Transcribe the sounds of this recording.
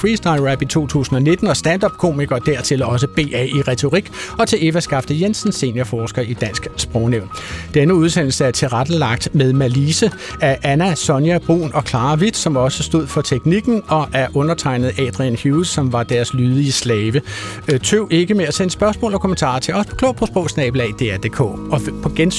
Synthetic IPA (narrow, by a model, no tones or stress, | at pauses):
fʁiːsd̥ɑ̈ɪʁæb̥it͡sʰo̝̰ːt͡sʰṵːsn̩ɒ̽ne̝d̥n̩ɒ̽sd̥ænd̥ɒ̽b̥̚kʰo̝̰ːmiɡ̥ɐd̥æɐt͡sʰe̝lɒ̽s̬əb̥e̝̰ːɛ̰iʁɛt͡sʰo̝ʁiɡ̥ɒ̽t͡sʰe̝le̝fæsɡ̥ɑ̈fd̥əjensən̩se̝̰njɐfɒːsɡ̥ɐʔid̥æn̰sɡ̥sb̥ʁɔʊneʊ̰nd̥enəuð̞ˠsen̰l̩səæɐt͡sʰe̝ʁad̥əlɑ̈ɡ̥̚d̥meðˠmæliːsə | æʔænæsɒ̽njæb̥ʁṵːnʔɒ̽kʰlɑ̈ːʋid̥sɒ̽mɒ̽səsd̥o̝ð̞̰ˠfɒ̽t͡sʰeɡ̥niɡ̥n̩ɒ̽ʔæɐʔɔ̽nɐt͡sʰɑ̈ɪnəð̞̩ˠɛd̥ʁiænhusɒ̽mʋɑ̈d̥æɐslyːðˠiəslɛːʋə | t͡sʰøʊ̰e̝ɡ̥əmeæsensb̥ɶɐsmɔ̰ːlɒ̽kʰomənt͡sʰɑ̰̈ːt͡sʰe̝lɒ̽spkʰlɔ̰ːpʰosb̥ɔːsnɛ̰ːb̥l̩æd̥e̝ːæɐd̥ḛːkʰɔ̰ːɒ̽pʰɒ̽ɡ̥ens